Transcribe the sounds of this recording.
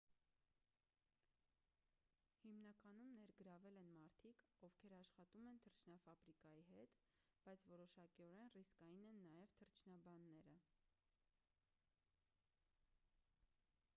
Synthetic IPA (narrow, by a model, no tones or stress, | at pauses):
himnɑkɑnumnɛɾɡəɾɑvɛlɛnmɑɾt̪ʰikɔvkʰɛɾɑʃχɑt̪umɛnt̪ʰəɾt͡ʃʰnɑfɑbɾikɑjiɦɛt̪ | b̥ɑjt͡sʰvɔɾɔʃɑkiɔɾɛnriskɑjinɛnːɑjɛvt̪ʰəɾt͡ʃʰnɑbɑnːɛɾə